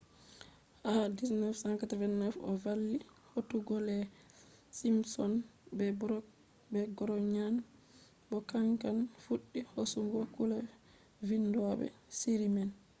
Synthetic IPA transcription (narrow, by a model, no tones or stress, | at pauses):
hadisnɛfsaŋkatavɛnːɛfɔ̰valːihotuɡɔlɛ | simsɔnbɛb | bɛɡɔɾɔɲan | bɔkaŋkanfuɗːihosuŋɡɔkulɛ | vinduabɛ̰siɾiman